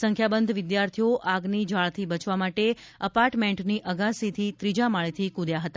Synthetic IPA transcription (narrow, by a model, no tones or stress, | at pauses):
sə̃ŋkʰjabənd̪ʱʋɪd̪jaɾt̪ʰijoʔaɡnid͡ʒaɭt̪ʰibət͡ʃʋamaʈe | əpaɾʈmẽɳʈniʔəɡasit̪ʰit̪ɾid͡ʒamaɭit̪ʰikud̪jaɦət̪a